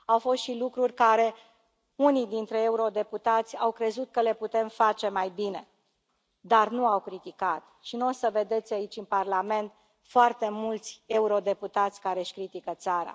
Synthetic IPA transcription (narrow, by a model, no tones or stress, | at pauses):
awfo̞st̪ʃilukɾurʲkaɾe̞ | unijd̪int̪ɾe̞euɾo̞d̪e̞put̪at̪sʲawkɾe̞zut̪̚kəle̞put̪e̞mfat͡ʃe̞majbine̞ | d̪arnuawkɾit̪ikat̪ | ʃino̞səve̞d̪e̞t̪sʲait͡ʃʲɨnparlame̞nt̪̚ | foart̪e̞mult̪sʲe̞uɾo̞d̪e̞put̪at̪sʲkaɾe̞ʃʲkɾit̪ikət̪saɾa̰